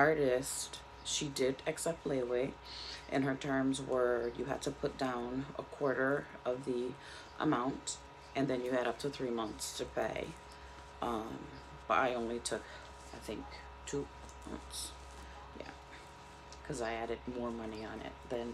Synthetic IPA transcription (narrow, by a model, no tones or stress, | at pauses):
ɑɹɾɨst | ʃidɪɾɨksɛp̚tˡleɪle | ʔɨ̰̃nə˞tʰɜ̃˞mzwə˞jɨɦæ̰d̚tʰɨpʰʊt̚d̥ãʊ̃nə̰kʰw̥ɔɹɾə˞ʌvði | ʔə̰mãʊ̃nt | ʔɨ̃nðɨ̃njɨɨɾʌp̚tʰɨθɹimʌ̃nθstʰɨpʰeɪ | ʔʌ̃m | b̥ʌɾa̰ɪõʊ̃nlitʰʊk | aɪθɪ̰̃ŋk | tʰu | mʌ̰̃nθs | jæ̰ | kʰʌzaɪæɾɨd̚mɔɹmʌniə̃nɪ̰t̪̚ðɨ̃n